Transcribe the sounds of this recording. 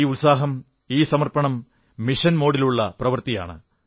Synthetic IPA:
iulsaːɦɐm | iːsɐmɐrpɐɳɐmː | iʂɐnmo̞ːɽiluɭːɐprɐʋɐrt̪ija̰ːɳɨ̰

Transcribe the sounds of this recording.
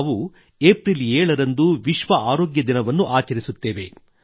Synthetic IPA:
ʋu | eːpɾileːɭɐɾɐnd̪uʋiʃʋɐʔaːɾoːɡjɐd̪inɐʋɐnːuʔaːt͡ʃɐɾisut̪ːeːʋe̞̰

